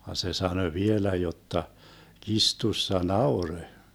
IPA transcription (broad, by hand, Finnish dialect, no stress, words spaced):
ʋɑn se sɑnø ʋielæ jotːɑ kistusːɑ nɑurø